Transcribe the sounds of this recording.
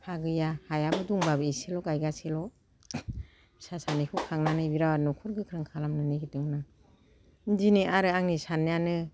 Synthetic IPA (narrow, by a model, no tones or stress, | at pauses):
pʰaɡɯjahajabɯduŋbabɯeselɔɡajɡaselɔ | sasanikʰukʰaŋnanɯbiɾawanɔkʰuɾɡɯkʰɾɯŋkʰalamnɯniɡitɯŋna | diniaɾɯaŋnisanjanɯ